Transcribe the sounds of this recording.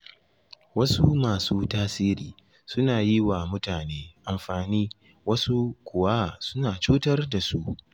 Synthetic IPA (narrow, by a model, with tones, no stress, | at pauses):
wɐ˦su˦maː˨suː˦taː˦siː˦ɾiː˨ | sʊ˦naː˨ji˦waː˨mʊ˦taː˨neː˦ʔa˨mɸaː˨niː˦ | wɐ˦su˦kʷʊ˨wa˦˨sʊ˦naː˨t͡ʃuː˦tɐ˦rda˨su˦ʔ